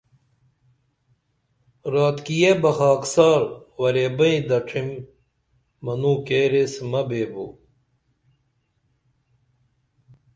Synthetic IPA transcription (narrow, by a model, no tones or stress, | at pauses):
ɾaːt̪kijebɐxaːksaːɾwɐɾebɐĩd̪ɐʈ͡ʂʰimː | ɐnuːkeːɾesmɐbeːbṵ